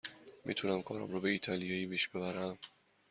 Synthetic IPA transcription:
mʔḭt̪ʰunæmkʰɒːɾɒ̰mɾobe̞iːt̪ʰɒlijɒːiːpiʃb̥e̞βæɾæm

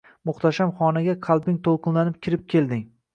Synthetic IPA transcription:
mʊχt̪ʰaʃamχɒnaɡʲaqʰɑlˠbɪŋt̪ʰolˠqʰɨnlanɪp̚kʲʰɪɾɪp̚kʲʰe̞ld̪ɪŋ

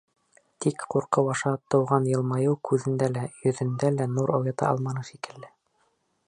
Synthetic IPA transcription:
t̪ikquɾqɤwɑʃɑt̪ɤ̆wʁɑnjɤ̆lˠmɑjɤwkʰʉðɘ̆nd̪ælæjɵ̆ðɘ̆nd̪ælænuɾʔɑwjɑt̪ɑ̰ʔɑ̰lˠmɑnɤʃikɘ̆lːɘ

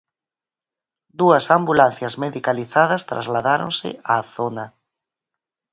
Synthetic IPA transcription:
d̪uɐsambulanθjɐzmeðikaliθaðɐst̪ɾa̰zlaðaɾõ̰nsɪ̰aːθonɐ

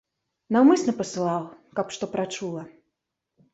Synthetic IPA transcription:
nawmɨsnɐpɐsɨlˠɑwkapʂt̪ɔpɾat͡ʂulˠɐ

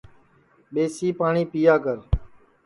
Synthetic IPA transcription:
ɓeːsiːpaːɳiːpijaːkəɾ

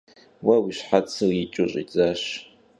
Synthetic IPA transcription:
wɐwiɕħat͡sʰɨit͡ʃʼʊɕʼḭt͡sʼaɕ

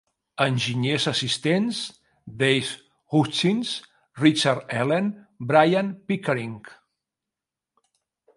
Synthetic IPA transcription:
ənʲʒiɲezəsist̪enz | d̪ejs | ɣut͡ʃins | rit͡ʃaɾt̪ɛlenbɾajanpikəɾiŋk

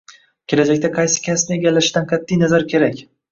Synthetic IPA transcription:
kʲʰe̞lad͡ʒakʲt̪aqʰɑjsɪ̥kʲʰasnɪeɡʲalːaʃd̪anqʰɑt̪ʰːijnazaɾkʲʰe̞ɾakʲ

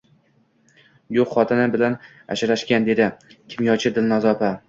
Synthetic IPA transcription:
joqχɒt̪ʰɪnɪbɪlan | a̰ʃɪɾaʃkʲand̪e̞d̪ɪkʲʰɪmjɒt͡ʃʰɪd̪ɪlnazɒpa

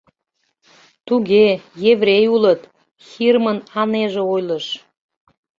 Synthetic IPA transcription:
t̪uɣejevrejulət̪ | xirmənɑneʒeojləʃ

